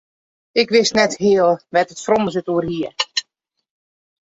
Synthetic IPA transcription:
ɪkʋɪstnɛthɪəlˠʋɛtətfroməsətuərhiə

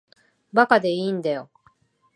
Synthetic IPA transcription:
bakad̪e̞iːnd̪ajo

